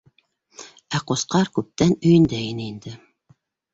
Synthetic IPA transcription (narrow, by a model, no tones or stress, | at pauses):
æqosqɑɾkʉp̚t̪ænɵ̆jɘ̆nd̪æinɘind̪ɘ